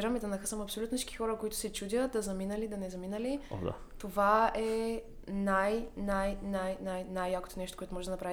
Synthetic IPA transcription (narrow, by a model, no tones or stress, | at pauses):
ɾəmid̪ɐnɐxəsəmɐpsolʲut̪nnt͡ʃi̥kʲixɔɾəkoit̪ʊ̥sɛt͡ʃud̪ʲəd̪ɐzɐminəlid̪ɐnɛzɐminəlḭa̰ | t̪ovaɛ | najnajnajnajnajːako̥t̪onɛʃt̪o̥koɔɛt̪ʊmɔʒɛd̪ɐnɐpɾav